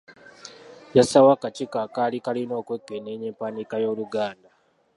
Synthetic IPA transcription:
jasawakat͡ʃikakaːlikalino̞ːkwekːeneɲeːmpanikajo̞ːluɡaːnda

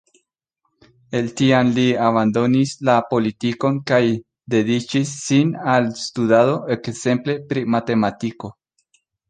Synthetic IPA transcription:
e̞lt̪ianliaβand̪o̞nislapo̞litiko̞nkaj | d̪e̞d̪it͡ʃisːinalst̪udaðo̞e̞kze̞mple̞pɾimat̪e̞matiko̞

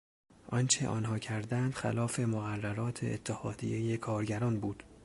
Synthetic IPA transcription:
ʔɒnt͡ʃʰe̞̰ʔɒ̰ːnɦɒːcʰæɾd̪ænd̪̥xæ̰lɒːfe̞moɣærːæɾɒːt̪ʰeet̪ʰːehɒːd̪ḭje̞jekʰɒːɾɟæɾɒːnbuːd̪̥

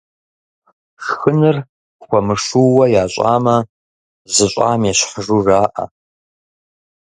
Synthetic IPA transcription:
ʂxɨnɨr | xʷɐmɨʂuwɐjaːɕʼaːmɐ | zɨɕʷʼa̰ːmjɛɕħəʐuːraːʔɐ̰

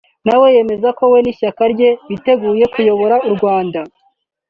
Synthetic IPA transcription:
nawe̞je̞me̞zako̞we̞niʃakaɾɟe̞βite̞ɡuːje̞kujo̞βo̞ɾauɾɡwaːnda

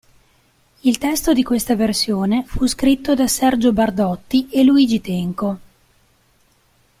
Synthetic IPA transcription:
ilt̪ɛst̪od̪ikwest̪aversjoːnefuskɾit̪ːod̪asɛrd͡ʒobard̪ɔt̪ːieluiːd͡ʒit̪ɛŋko

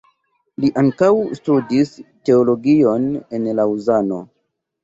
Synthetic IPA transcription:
liʔaŋkawstudiste̞olo̞ɡio̞ne̞nlauzano̞̰

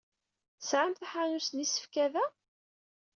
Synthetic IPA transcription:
sʕamθæħanusnisːə̥fkæðæ

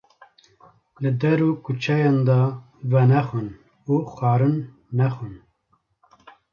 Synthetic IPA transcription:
lɨd̪ɛɾuːkʰut͡ʃʰɛjɑnd̪ɑ | vɛnɛxun | uxɑːɾɨnː | ɛxun

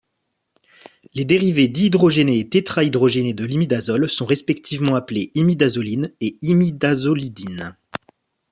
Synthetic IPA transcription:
led̪eʁived̪iːd̪ʁɔʒeneːt̪et̪χaid̪ʁɔʒened̪əlimid̪azɔlsɔ̃ʁɛspɛk̚t̪ʰivmɑ̃apleimid̪azɔlineimid̪azɔlid̪in

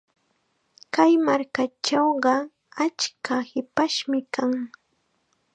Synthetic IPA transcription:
kajmaɾkat͡ʃɑwɢɑ | at͡ʃkʰahɪpaʃmɪkaŋ

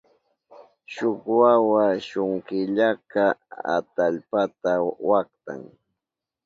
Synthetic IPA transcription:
ʃoχwawaʃʊŋkɪʎakaa̰t̪aʎpat̪awakt̪a̰ŋ

